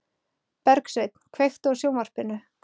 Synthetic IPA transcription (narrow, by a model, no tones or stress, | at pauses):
pɛɾksejt̪n̥kʰvejft̪ɔsjoːwmar̥pɪnʏ